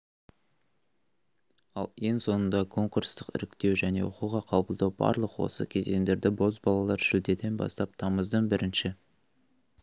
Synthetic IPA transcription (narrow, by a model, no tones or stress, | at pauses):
ɑ̰lˠeŋso̞nənd̪ɑkʰo̞ŋkuɾst̪əqɪ̰ɾɪkt̪e̞wʒæne̞̰woquʁɑqʰɑbəlˠd̪ɑwbɑ̰ɾlˠəqwo̞̰səkʲʰe̞ze̞ŋd̪e̞ɾd̪ɪbo̞zbɑlˠɑlˠɑɾʒ̥ɪld̪e̞d̪e̞nbɑ̰st̪ɑp̚t̪ʰɑməzd̪əɴbɪɾʔɪnʃɪ